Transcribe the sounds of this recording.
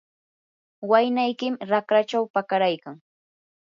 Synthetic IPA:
wajnajkɪmɾakɾat͡ʃawpakaɾajkaŋ

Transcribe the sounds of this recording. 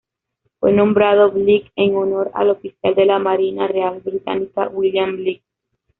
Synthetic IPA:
fwenõ̞mbɾaðo̞βlikeŋono̞ɾa̰lofisjald̪e̞lamaɾinarealbɾit̪a̰nika̰wiljamblik̚

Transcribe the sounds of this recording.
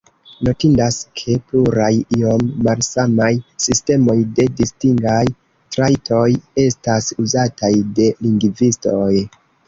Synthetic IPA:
no̞tindaskʰe̞pluɾajio̞mːalsamajsiste̞mo̞jde̞distiŋɡaj | tɾajtʰo̞je̞stasuzatajde̞liŋɡvisto̞j

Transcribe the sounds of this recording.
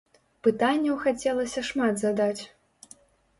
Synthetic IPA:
pɨt̪anʲːɐwxat͡sʲɛlˠɐsʲɐʂmad̪zad̪at͡sʲ

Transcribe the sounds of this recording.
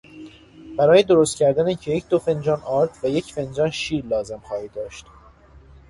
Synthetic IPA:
b̥æɾɒːjed̪o̞ɾost̪̚cʲʰæɾd̪ænicʰejecʰd̪̥ofe̞nd͡ʒɒːnʔɒːɾt̪ʰvæje̞cʰfe̞nd͡ʒɒːnʃiːɾlɒːze̞mχɒːhiːd̪ɒːʃt̪

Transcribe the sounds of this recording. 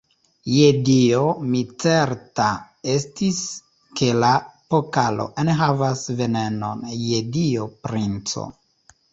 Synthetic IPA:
jediomit͡se̞ɾta | estis | kʰe̞lapokalo̰ʔenɦavasve̞ne̞no̰njediopɾint͡so̰

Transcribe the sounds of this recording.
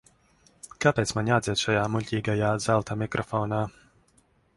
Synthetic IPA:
kapeːt̪smanʲaːd̪ziɛt̪ʃajaːmuʎʲcʲiːɡajaːzalˠt̪amʲikɾʔɔfɔːnaː

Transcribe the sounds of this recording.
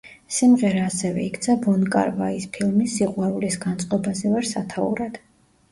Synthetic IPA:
simʁɛɾaːsɛvɛ̰ikʰt̪sʰabɔnkʼa̰ɾvaispʰilˠmisːiqʼwaɾulisɡant̪sʼqʼɔbazɛvaɾsat̪ʰaṵɾad̪̥

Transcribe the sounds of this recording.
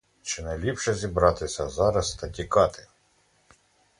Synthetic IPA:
t͡ʃɪnɛlʲipʃɛzʲibɾɑt̪ɪsʲɐzɑɾɐst̪ɐtʲikɑt̪ɪ

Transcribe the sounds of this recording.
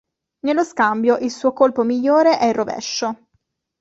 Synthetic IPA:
nelːoskambjoʔilsuːokolpomiʎːoːɾeʔɛilrovɛ̰ʃːo

